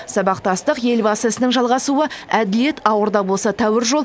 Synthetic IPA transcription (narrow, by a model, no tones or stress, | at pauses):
sɑbɑqt̪ɑst̪əqje̞lbɑsəsənəŋʒɑlˠʁɑsuəæd̪ɪlije̞t̪ɑwəɾd̪ɑbo̞lˠsɑt̪ʰæwɪɾʒo̞lˠ